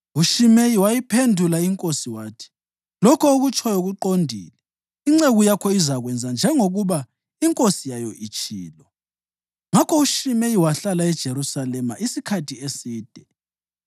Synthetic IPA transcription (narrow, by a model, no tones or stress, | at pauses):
uʃimejiwajipʰendʱulaiŋkʼosiwaːtʰi̥ | lɔkʰɔoɣut͡ʃʰʼɔjoɣuǃondʱḭːlɛ | iŋ͡ǀeɣujakʰɔizaɣwɛnd͡zʱand͡ʒʱɛŋoɣuβa | iŋkʼosijajɔʔit͡ʃʼḭːlɔ | ŋakʰɔuʃimejiwaɬalaɛd̥ʒ̥ʱeɾusalɛmaʔisikʰatʰiesiːd̥ʱɛ